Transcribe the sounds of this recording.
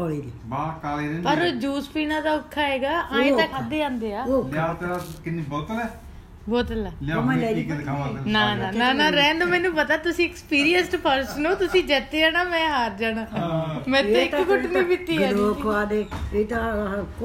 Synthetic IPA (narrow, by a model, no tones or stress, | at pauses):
oɽiːd̪iːbaːkaːleɾẽnpəɾd͡ʒuːspiːnãːd̪aːʊkʰːaːɦeːɡaːʔaːẽaːkʰaːd̪eːãːnd̪eːaːoːaːt̪ːɾakɪniːbɔːt̪əlɛː | bɔːt̪əlaːlamə̃lɛːiaanaːnãːnãːnãːɾɛ̃ːnd̪omɛ̃ːnũːpət̪aːt̪ʊsĩːɪkspiːɾijənsʈpʰəɾsənõːt̪ʊsĩːd͡ʒɛːt̪eːaːnaːmɛ̃ːɦaːɾd͡ʒaːnaːmɛ̃ːẽɪkːkʊʈnĩːpɪt̪ːiːaːoːkʋaːd̪eːeːt̪aɦk